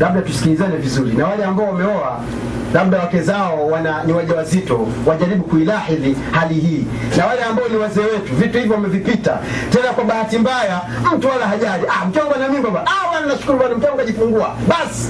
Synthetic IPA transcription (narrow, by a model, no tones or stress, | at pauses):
laɓ̚ɗatusi̥kilizanɛvizuɾinawalɛambaɔwamɛɔa̰ | laɓ̚ɗawakɛzaɔwananiwaʄawazitɔ | waʄaɾiɓukuilaħilihalihiː | nawalɛambaɔniwazɛːwɛtuvituhivjɔwamɛvipita̰tɛnakwaɓahatimbaja | m̩tuwalaɦaʄaɾiʔam̩tɔŋɡwanamimkwabaawananaʃu̥kuɾuɓanim̩tɔŋɡwaʄifuŋɡuaɓasi̥